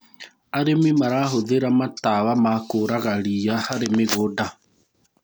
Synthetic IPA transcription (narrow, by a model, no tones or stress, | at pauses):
aɾemimaɾaɦoðeɾamatawamakoːɾaɣaɾijahaɾemeɣoda